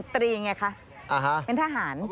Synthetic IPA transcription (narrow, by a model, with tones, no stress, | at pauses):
t̪ɾiː˧ŋa˧˥˩kʰa˦˥ʔ | ʔa˨ɦa˦˥pe˧nt̪ʰaː˧ɦaː˩˦n